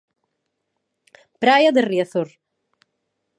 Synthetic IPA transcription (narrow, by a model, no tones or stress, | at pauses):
pɾajaðeriaθoɾ